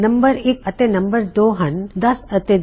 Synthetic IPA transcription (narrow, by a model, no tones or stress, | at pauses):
nəmbəɾekət̪enɐmbəɾd̪oɦənd̪ɐsət̪e